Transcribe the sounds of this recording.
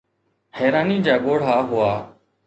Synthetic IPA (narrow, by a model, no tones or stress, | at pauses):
hɛːɾaːniːd͡ʒaːɠoːɽ̤aːɦʊaː